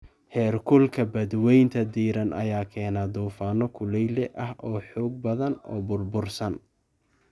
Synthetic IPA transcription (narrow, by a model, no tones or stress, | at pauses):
hɛːrkʰʊlkʰɐbɐd̪wɛjnt̪ʰɐd̪iːɾɐnʔɐ̰jaːkʰɛːnaːd̪uːfaːnɔkʰʊlɛjlɛʔɐhʔɔːħuːɡ̚bɐðɐnɔ̰ːbʊrbʊrsɐn